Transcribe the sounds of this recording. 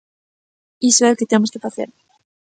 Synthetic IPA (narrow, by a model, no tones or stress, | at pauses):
isoelket̪emoskefaθeɾ